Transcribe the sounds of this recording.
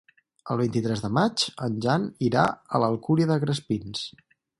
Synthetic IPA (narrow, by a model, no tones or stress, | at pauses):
əlˠβ̞int̪it̪ɾɛzðəmat͡ʃənʲʒaniɾa̰ələlˠkuɾiəðəɣɾəspins